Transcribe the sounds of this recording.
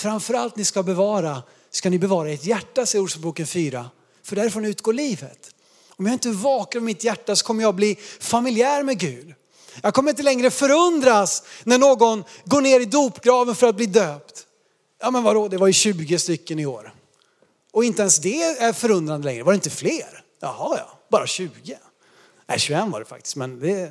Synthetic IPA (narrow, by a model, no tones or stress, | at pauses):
fɾamfœɾalt̪nɪskabɛvɑːɾa | skanɪbɛvɑːɾaɪʈjæʈːasɛjɾuːʂəbuːkənfyːɾa̰ | fœɖɛæɾfɾɔnɪʉ̟ːt̪̚ɡoːɭiːvə̰t̪ | ɔmjɑhɪnt̪əvɑːkəɾmɪt̪jæʈːasɔ̥kʰɔmːəjɑɡ̚bliːfamɪlɪæːɾmɛɡʉːd̪ | jɑɡkʰɔmːɾɪnt̪əlɛŋɾəfœɾɵnd̪ɾasnæɳoːɡɔnɡoːɳeːɾɪd̪uːpɡɾɑːvənfœɾat̪̚bliːd̪øːpt̪ | jɑːmɛnvad̪ɔd̪ɛvaɾjɵɕʉ̟ːɡɪst̪ʏkːənɪo̰ːɾ | ɔɪnt̪əɛnsd̪ɛæɾfœɾɵnd̪ɾanəlɛ̰ŋɾəvaɾɛɪnt̪əfleːɾ | jɑ̰hɑjɑ̰ːb̥ɑːɾaɕʉ̟ːɡɪ | nɛ̰ɕʉɛnːva̰ɖɛfa̰k̚t̪ɪ̥st̪mɛnd̪ɛ